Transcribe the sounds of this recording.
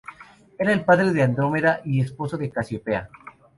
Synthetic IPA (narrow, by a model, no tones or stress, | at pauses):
e̞ɾaelpaðɾe̞ðeand̪ɾo̞meðaʔie̞spo̞soðe̞kasjopea